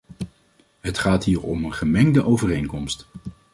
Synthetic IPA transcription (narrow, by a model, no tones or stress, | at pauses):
ɦətχaːtɦiːɹɔ̰mənχəmɛŋdəʔowvərejnkɔmst